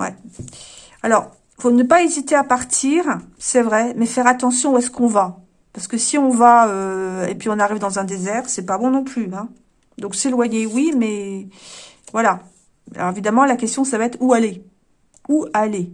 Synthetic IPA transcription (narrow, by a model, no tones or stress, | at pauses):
wɛ̰ | alɔʁ | fonəpaezit̪eapaʁt̪ʰiːʁsɛvʁɛmɛfɛʁat̪ɑ̃sjɔ̃uɛskɔ̃va | paʁsə̥kəsiɔ̃vaøḛpɥiɔ̃naʁivd̪ɑ̃zɛ̃d̪ezɛʁsɛpabɔ̃nɔ̃plyɛ̃ | d̪ɔ̃kselwajewimɛ | vwala | a̰lɔ̰ʁevid̪amɑ̃lakʲɛst̪jɔ̃s̬avaɛt̪χuale | uale